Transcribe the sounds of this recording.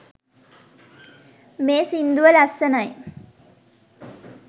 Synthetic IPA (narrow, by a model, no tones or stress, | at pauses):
meːsind̪uʋəlɐsːənaj